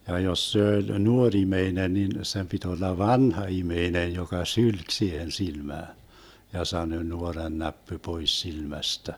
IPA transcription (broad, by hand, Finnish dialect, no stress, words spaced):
jɑ jos se olʲ nuorʲ imeinen nin sem pit olːɑ ʋɑnhɑ imeinej jokɑ sylk siːhen silmæːn jɑ sɑnø nuorɑnːæpːy pois silmæstæ